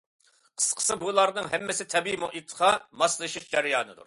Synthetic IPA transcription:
qʰə̥sqʰə̥sɨbulˠɑɾnɨŋɦɛmːɪsɪt̪ʰɛbimoʔit̪ʰqʰɑmɑslˠɨʃiʃd͡ʒɛɾɪjɑːnɨd̪ṵɾ

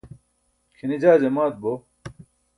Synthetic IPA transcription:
kʰinid͡ʑaːd͡ʑemaːt̪̚bo

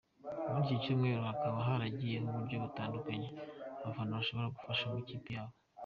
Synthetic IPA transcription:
umuːnsicumŋe̞ːɾohakaβaɦaɾaɟijeɦuβuɾɟo̞βutaːndukaɲe̞aβafanoβaʃo̞βo̞ɾaɡufaʃamuciːpijaːβo

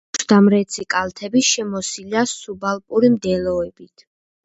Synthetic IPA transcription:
d̪amɾɛt̪sʰikʼalt̪ʰɛbiʃɛmɔsilasubalˠpʼuɾimd̪ɛlɔɛbit̪ʰ

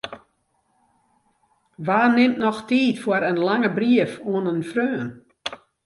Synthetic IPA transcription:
ʋaːnɪmtnɔxtiːtfwʊəɾənlaŋəbriəfoənənfrøːn

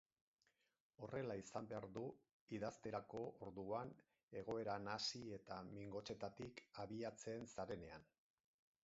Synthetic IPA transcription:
o̞re̞laisambeaɾðu | iðast̪e̞ɾako̞oɾðuan | e̞ɣ̞o̞e̞ɾanasie̞t̪amiŋɡo̞t͡ʃe̞t̪at̪ikaβiat͡se̞nsaɾe̞ne̞an

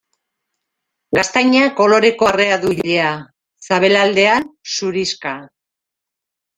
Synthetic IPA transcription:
ɡast̪ajɲako̞lo̞ɾe̞ko̞re̞aðuiʎe̞a | saβ̞e̞lald̪e̞ansuɾiska

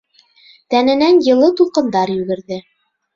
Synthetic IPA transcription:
t̪ænɘ̆nænjɤ̆lˠɤt̪ulˠqɤ̆nd̪ɑɾjʉɡɘ̆ɾðɘ

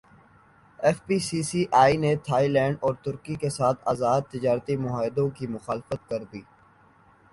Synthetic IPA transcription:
ɛːfpiːsiːsiʔaːinet̪ʰaːilɛ̃ːɳɖɔːɾt̪ʊɾkikesaːt̪ʰa̰ːzaːd̪̚t̪ɪd͡ʒaːɾt̪imʊɦaːɪd̪õkimʊxaːlfət̪̚kɐɾd̪iː

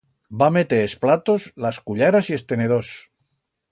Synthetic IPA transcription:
bame̞t̪eɾesplat̪ozlaskuʎaɾasie̞st̪e̞neðos

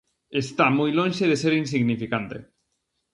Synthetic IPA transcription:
est̪amojlõnʃeðeseɾins̬iɣnifikant̪ḛ

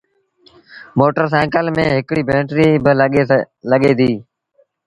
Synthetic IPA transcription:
moːʈəɾs̬ɛ̃ːkəlmẽːɦɪkɽiːbẽːʈɾiːbɪ | ləɠeːd̪iː

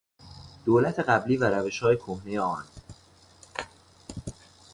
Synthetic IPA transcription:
d̪̥oːlæt̪ʰe̞ɢæbliːvæɾæve̞ʃhɒːje̞kʰohne̞jeɒːn

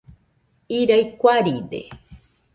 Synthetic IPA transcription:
iɾajkʷaɾidḛ

